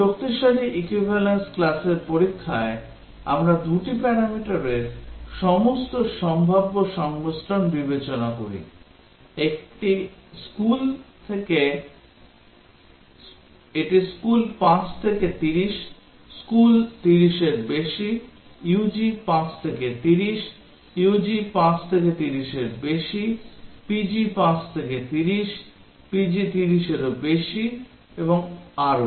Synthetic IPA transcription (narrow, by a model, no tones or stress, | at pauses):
d͡ʑok̚t̪iʃaɾiʔikwibʱalensklaseɾpoɾikʰːae | a̰mɾad̪uʈipɛɾamiʈaɾeɾʃɔmost̪oʃɔmbʱabːoʃɔŋbosʈ̪ʰanbibet͡ɕonakoɾḭ | ekʈiskult̪ʰeke | eʈiskulpãt͡ɕt̪ʰeket̪iɾiʃ | skult̪iɾiʃeɾbeʃi | jud͡ʑipãt͡ɕt̪ʰeket̪iɾiʃ | jud͡ʑipãt͡ɕt̪ʰeket̪iɾiʃeɾbeʃipid͡ʑipãt͡ɕt̪ʰeket̪iɾiʃ | pid͡ʑit̪iɾiʃeɾobeʃi | eboŋaɾo